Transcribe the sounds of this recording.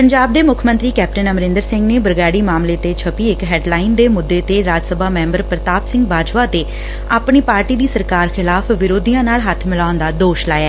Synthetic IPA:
pəɲd͡ʒaːb̚d̪eːmʊkʰmənt̪ɾiːkɛːp̚ʈənəmɾɪ̃nd̪əɾsɪ̃ŋɡneːbəɾɡaːɽiːmaːmleːt̪eːt͡ʃʰəpiːɪkɦɛːɖlaːɪnd̪eːmʊd̪ːeːt̪eːɾaːd͡ʒsəbaːmɛ̃ːmbəɾpɾət̪aːpsɪ̃ŋɡbaːd͡ʒʋaːt̪eː | aːpɳiːpaːɾʈiːd̪iːsəɾkaːɾxʰɪlaːfʰʋɪɾoːd̪ijãːnaːlɦət̪ʰmɪlaːʊnd̪aːd̪oːʃla̰ːjaɛː

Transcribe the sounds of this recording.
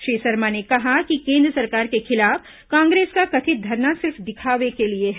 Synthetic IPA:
ʃɾiːsɐɾmanekɐɦakikẽːnd̪ɾəsɐɾkaːɾkexɪlaːf | kãːŋɡɾeːskakɐt̪ʰid̪ʱɐɾnasɪɾfd̪ɪkʰaːʋekelieɦ

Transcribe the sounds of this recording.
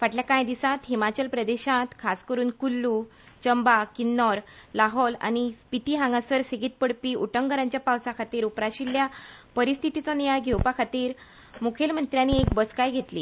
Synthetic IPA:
faʈljakajd̪isãt̪ɦimat͡ɕəlpɾəd̪eɕãt̪kʰaskəɾuːnkulːu | t͡ɕəmbakinːɔɾlaɦɔla̰ñispit̪iːɦãŋɡasəɾseɡit̪̚pəɽpiːuʈəŋɡəɾãɲt͡ɕjapawsakʰat̪iːɾupɾaɕilːjapəɾist̪ʰit̪it͡sɔnijajɡʱewpakʰat̪iːɾ | mukʰelm̤ənt̪ɾjaniekbəskajɡʱet̪lḭː

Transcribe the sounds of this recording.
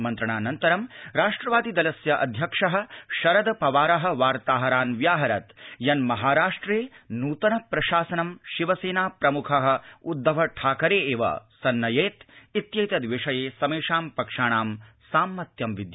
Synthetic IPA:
mɐnt̪ɾɐɳaːnɐnt̪ɐɾɐmɾaːʂʈɾɐʋaːd̪id̪ɐlɐsjɐʔɐd̪ʱjɐkʂɐɦɐ̆ʃɐɾɐd̪ɐpɐʋaːɾɐɦɐ̆ʋaːɾt̪aːɦɐɾaːnʋjaːɦɐɾɐt̪jɐnmɐɦaːɾaːʂʈɾeːnuːt̪ɐnɐpɾɐʃaːsɐnɐmʃiʋɐseːnaːpɾɐmukʰɐɦɐ̆ud̪ʱːɐʋɐʈʰaːkɐɾeːeːʋɐ̰sɐnːɐjeːt̪it̪jɐjt̪ɐd̪ʋeʂɐjeːsɐmeːʂaːmpɐkʂaːɳaːm | saːmːɐt̪jɐmʋid̪j

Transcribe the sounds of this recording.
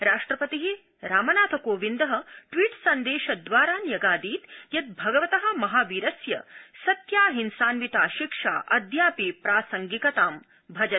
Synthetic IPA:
ɾaːʂʈɾɐpɐt̪iɦi | ɾaːmɐnaːt̪ʰɐkoːʋind̪ɐɦɐ̆ʈʋiːʈsɐnd̪eːʃɐd̪ʋaːɾaːnjɐɡaːd̪iːt̪jɐt̪̚bʱɐɡɐʋɐt̪ɐɦɐ̆mɐɦaːʋiɾɐsjɐsɐt̪jaːɦinsaːnʋit̪aːʃikʂa̰ːʔɐd̪ʱjaːpipɾaːsɐŋɡikɐt̪aːm | bʱɐd͡ʒɐn

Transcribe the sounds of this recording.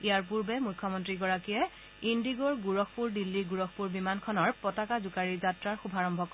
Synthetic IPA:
ijaɹp̬uɹbɛmukʰːɔmɔntɹiɡɔɹakiɛ | indiɡɔɹɡuɹɔkʰpuɹdilːiɡuɹɔkʰpuɹbimankʰɔnɔɹpɔtakazukaɹizatɹaɹxubʱaɹɔmbʱɔk

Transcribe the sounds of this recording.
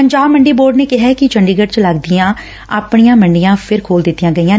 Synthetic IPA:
pəɲd͡ʒaːbməɳɖiːboːɾɖneːkɪɦɛːkɪt͡ʃəɳɖiːɡəʈt͡ʃləɡd̪ijãː | aːpɳijãːməɳɖijãːpʰɪɾkʰoːld̪ɪt̪ːijãːɡəiːãː

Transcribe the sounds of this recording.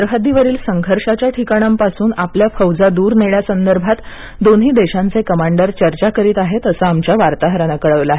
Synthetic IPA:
əɾɦad̪iːʋəɾiːlsəŋɡʱəɾʂat͡ɕjaʈʰikaɽ̃ampasuːnapljafəwd͡zad̪uːɾneɭjasənd̪əɾbʱat̪ | d̪onɦiːd̪eɕãnt͡sekəmaɳɖəɾt͡ɕəɾt͡ɕakəɾiːt̪aɦet̪əsaamt͡ɕjaʋaɾt̪aɦɾəñəkəɭəʋlaɦe

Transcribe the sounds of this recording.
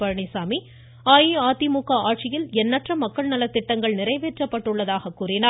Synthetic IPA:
pɐɾɐɳisaːmi | aːjiaːt̪imukːɐʔaːʈ̚t͡ʃɪjɪlɛnːɐʈrɐmɐkːɐɭnɐlɐt̪ːɪʈːɐŋɡɐɭnɪɾɐɪʋeːʈrɐpːɐʈːɯɭːɐðaːɣɐkːuːrɪnaː

